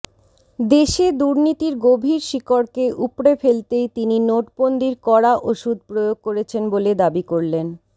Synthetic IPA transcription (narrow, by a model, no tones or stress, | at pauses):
d̪eʃed̪uɾnit̪iɾɡobʱiɾʃikoɾkeʔupɾefelt̪ejt̪ininoʈpond̪iɾkɔɽaʔoʃud̪̚ʱpɾojoɡ̚koɾet͡ɕʰenboled̪abikoɾlen